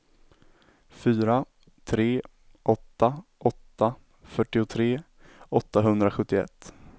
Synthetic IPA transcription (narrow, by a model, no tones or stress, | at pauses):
fyːɾa | t̪ʰɾeː | ʔɔt̪ːaʔɔt̪ːa | fœʈːɪʊt̪ʰɾeː | ɔt̪ːaɦɵnd̪ɾaɧɵt̪ːɪɛ̰t̪ː